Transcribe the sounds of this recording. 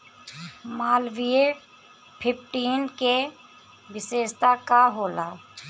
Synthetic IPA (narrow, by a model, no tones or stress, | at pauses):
maːlʋie | pʰɪpʰʈiːnke | ʋɪseːʃt̪akaɦoːlaː